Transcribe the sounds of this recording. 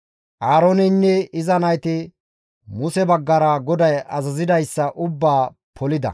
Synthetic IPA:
ʔaːɾonɪnːɛɪzɐnɐjt̪ɪ | mʊsɛbɐɡːɐɾɐɡɔd̪ɐjɐzɐzɪd̪ɐjsːɐʔʊbːaː | pʰɔlɪd̪ɐ̰

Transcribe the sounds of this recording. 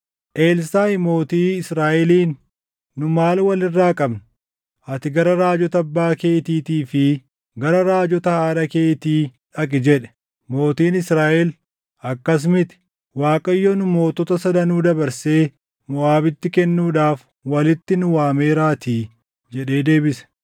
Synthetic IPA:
ʔe̞ːlsaːɪmo̞ːt̪iːɪsɾaːʔɛliːnː | ʊmaːlwɐlɪrːaːkʼɐbnʊ | ʔɐt̪ɪɡɐɾɐɾaːd͡ʒɔt̪ɐɐbːaːke̞ːt̪iːt̪iːfɪ | ɡɐɾɐɾaːd͡ʒɔt̪ɐhaːᶑɐke̞ːt̪iːᶑɐkʼɪd͡ʒɛᶑɛ̥ | mo̞ːt̪iːnɪsɾaːʔɛl | ɐkːɐs̬mɪt̪ɪ̥ | waːkʼɐjːɔnʊmo̞ːt̪ɔt̪ɐsɐd̪ɐnuːd̪ɐbɐɾse̞ː | mɔaːbɪt̪ːɪkɛnːuːᶑaːf | wɐlɪt̪ːɪnʊwaːme̞ːɾaːt̪iː | d͡ʒɛᶑe̞ːd̪e̞ːbɪsɛ̥

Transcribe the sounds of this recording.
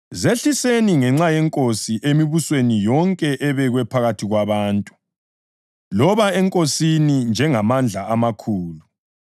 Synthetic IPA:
zeɬiseniŋɛŋ͡ǁajɛŋkʼosiʔemiβuswenijɔŋkʼɛʔɛβɛɣwɛpʰaɣatʰiɣwaβaːntʼu̥ | lɔβaɛŋkʼosinind͡ʒʱɛŋamand͡ɮʱaamakʰuːlu

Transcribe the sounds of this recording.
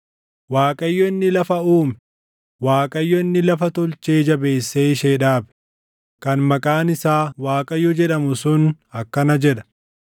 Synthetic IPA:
waːkʼɐjːɔɪnːɪlɐfɐuːmɛ | waːkʼɐjːɔɪnːɪlɐfɐt̪ɔlt͡ʃeːd͡ʒɐbe̞ːsːeːɪʃeːᶑaːbɛ̥ | kɐnmɐkʼaːnɪsaːwaːkʼɐjːɔd͡ʒɛᶑɐmʊsʊn | ɐkːɐnɐd͡ʒɛᶑɐ̥

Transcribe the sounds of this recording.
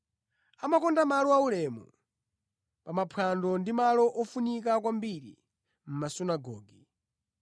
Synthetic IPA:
amakɔndamalɔaulɛmṵ | pamapʰandɔndimalɔʔɔfunik̬ak̬wambiɾḭ | m̩masunaɡɔːɡi

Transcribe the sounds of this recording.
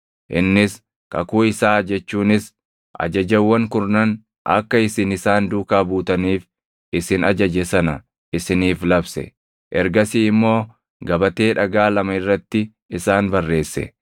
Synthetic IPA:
ʔɪnːɪs | kɐ̰kuːɪsaːd͡ʒɛt͡ʃːuːnɪs | ʔɐ̰d͡ʒɐd͡ʒɐwːɐŋkʊɾnɐn | ʔɐ̰kːɐɪsɪnɪsaːnd̪uːkaːbuːt̪ɐniːf | ɪsɪnɐd͡ʒɐd͡ʒɛsɐnɐ | ɪsɪniːflɐbsɛ̰ | ʔɛɾɡɐsiːɪmːo̞ː | ɡɐbɐt̪e̞ːᶑɐɡaːlɐmɐɪrːɐt̪ːɪ | ɪsaːnbɐrːe̞ːsːɛ̰

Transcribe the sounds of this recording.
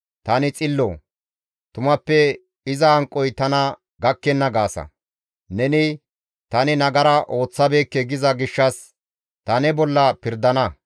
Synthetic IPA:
t̪ɐnɪt͡sʼɪlːo | t̪ʊmɐpːɛ | ɪzɐɐŋkʼːɔjt̪ɐnɐ | ɡɐkːɛnːɐɡaːsɐ̰ | nɛnɪ | t̪ɐnɪnɐɡɐɾɐʔo̞ːt͡sːɐbe̞ːkːɛɡɪzɐɡɪʃːɐs | t̪ɐnɛbɔlːɐpɪɾd̪ɐnɐ

